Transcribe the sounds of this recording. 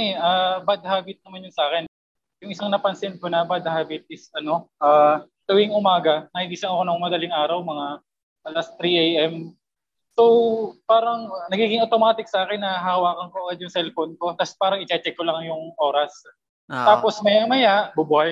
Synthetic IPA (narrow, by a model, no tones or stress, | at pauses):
ɛʔabɐd̪̚haːbɪt̪̚nɐmanjonsʔaːkɛn | jʊŋʔɪsaŋnɐpɐnsɪnko̞nɐbad̪̚haːbɪt̪̚ʔɪsʔɐno̞ʔaː | t̪ɐwiŋʊmaːɡɐnɐhɪnd̪iːsɐnɐkonɐŋmɐd̪ɐlɪŋʔaːɾɐwmɐŋa | ʔɐlɐst̪ɾiʔejʔɛm | so̞wpaːɾɐŋnɐɡiːɡɪŋʔot̪o̞maːt̪ɪk̚sɐʔaːkɛnːɐɦawaːkɐŋkoʔɐɡad̪jʊŋsɛlfonko̞t̪ɐspaːɾɐŋʔɪt͡ʃɛt͡ʃɛkːolɐŋjʊŋʔo̞ːɾɐs | aːpo̞smɐjamɐjaʔbubʊhaj